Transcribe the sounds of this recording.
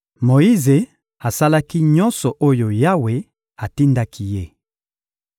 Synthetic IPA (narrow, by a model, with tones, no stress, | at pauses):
mo˨ji˦ze˨ | a˨sa˦la˦ki˦ɲɔ̃˦nsɔ˨ʔo˦jo˨ja˦we˨ | a˨ti˦nda˦kʰi˦je˦